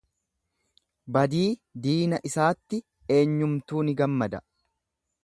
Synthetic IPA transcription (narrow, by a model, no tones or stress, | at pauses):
bɐd̪iːd̪iːnɐʔɪsaːt̪ːɪ | e̞ːɲːʊmt̪uːnɪɡɐmːɐd̪ɐ